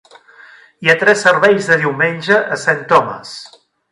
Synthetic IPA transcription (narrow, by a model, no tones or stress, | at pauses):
iat̪ɾɛsːəɾβɛjzðəðiwmenʲʒəʔːsant̪ɔmə̰s